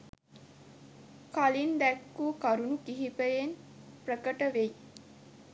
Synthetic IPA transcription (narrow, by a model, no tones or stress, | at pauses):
kalind̪ækːuːkaɾunukiɦipəjen | prəkəʈəʋej